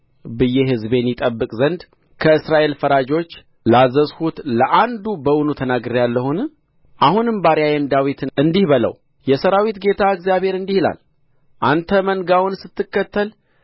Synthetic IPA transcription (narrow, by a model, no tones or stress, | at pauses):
bɨjːɛɦɨzbe̞njɪt̪ʼəbːɨkʼzənd̪ | kʰəɨsɾaʔe̞lfəɾad͡ʒo̞t͡ʃː | lazəzhut̪ləʔand̪ubəwʊnut̪ʰənaɡɾjalːəhun | ʔahunɨmbaɾjajɛnd̪awit̪ʰɨnɨnd̪ihβələ̰w | jɛsəɾawit̪ɡe̞t̪ʰaɨɡzjaβhe̞ɾɨnd̪ihla̰l | ʔant̪ʰəmənɡawʊnsɨt̪ːɨkːət̪ʰːəl